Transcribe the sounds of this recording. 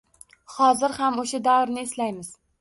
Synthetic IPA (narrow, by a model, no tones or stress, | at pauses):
hɒzɪɾhamoʃad̪awɾnɪːslajmɪz̥